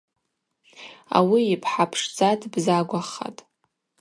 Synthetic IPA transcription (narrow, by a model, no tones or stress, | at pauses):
a̰wiːpʰħapʰʂd͡zatʰʼbzaɡʷaχa̰tʼ